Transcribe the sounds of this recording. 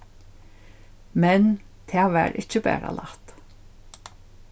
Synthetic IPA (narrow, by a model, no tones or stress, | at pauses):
mɛn | t̪ʰeːʋæːɾʔɪc͡çəbḛːɾɑ̰lɑt̪